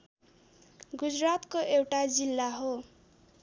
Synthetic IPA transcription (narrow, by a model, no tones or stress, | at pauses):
ɡud͡zrat̪koʔewʈad͡zilːaɦo